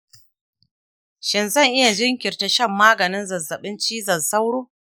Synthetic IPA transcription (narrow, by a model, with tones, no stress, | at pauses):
ʃɪ˨nzɐ˦˨ŋʔɪ˦ja˨d͡ʒɪ˦ŋkʲɪ˨rta˦ʃɐ˦˨mːaː˦ɡɐ˨nɪ˦nzɐ˨zɐ˨ɓɪ˦nt͡ʃiː˦zɐ˨za˦wɽoː˦